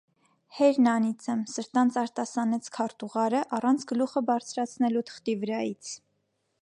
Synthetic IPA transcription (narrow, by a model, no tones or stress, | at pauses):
hɛɾnɑnit͡səmsəɾt̪ɑnt͡sɑɾt̪ɑsɑnɛt͡sʰkʰɑɾt̪uʁɑɾəʔɑrɑnt͡sʰɡəluχəbɑɾt͡sʰɾɑt͡sʰnɛlut̪ʰə̥χt̪ivəɾɑjit͡sʰ